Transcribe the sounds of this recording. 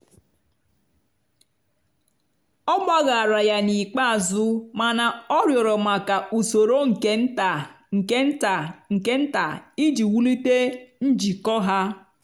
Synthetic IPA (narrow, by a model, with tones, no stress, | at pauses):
ɔ˦ba˦ɣa˨a˨ɾa˨ja˨ni˨k͡pa˦a˨zʊ˦ma˨na˨ɔ˦ɾjɔ˨ɾɔ˨ma˨ka˨u˨so˨ɾo˦ŋ̩˨ke˦n˦ta˨ | ŋ̩˨ke˦n̩˦ta˨ŋ̩˨ke˦n̩˦ta˨i˦d͡ʒi˨wu˦li˦te˦n̩˦d͡ʒi˨kɔ˦ɦa˦